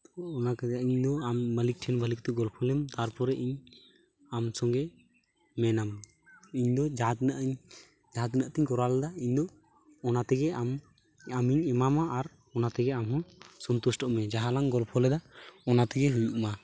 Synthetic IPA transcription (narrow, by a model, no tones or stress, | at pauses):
t̪ɔːnakɛiɲd̪ɔamːəlik̚ʈʰɛnbʱalikt̪ɛɡɔlpʰɔlɛmt̪aɾpɔɾɛʔiɲ | amsɔŋɡɛ | mɛnam | iɲd̪ɔd͡ʒaɦt̪inaʔɲ | d͡ʒaɦat̪inaʔt̪iɲkɔɾalad̪aiɲd̪ɔː | nat̪ɛɡɛam | amiɲɛmamaʔaɾ | ɔnat̪ɛɡɛamɦɔ̃sɔnt̪usʈɔʔmɛd͡ʒaɦalaŋɡɔlpʰɔlɛd̪aɔnat̪ɛɡɛɦujuʔma